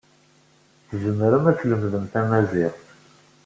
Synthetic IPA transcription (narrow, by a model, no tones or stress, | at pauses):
θəzəmːəɾəmæt͡sləmðəmθæmæziʁθ